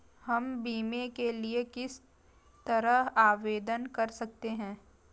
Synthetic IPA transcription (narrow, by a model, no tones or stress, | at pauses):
hɐmbiːmekeliekɪs | t̪ɐɾəɦaːʋeːd̪ənkɐɾsɐk̚t̪eɦɛ̃ː